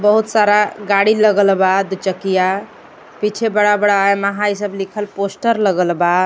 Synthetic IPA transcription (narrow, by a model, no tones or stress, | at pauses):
bəɦut̪saɾaɡaɽiləɡəlbad̪t͡ʃəkija | pit͡ʃʰebəɽabəɽaeməɦajsəblikʰəlposʈəɾləɡəlba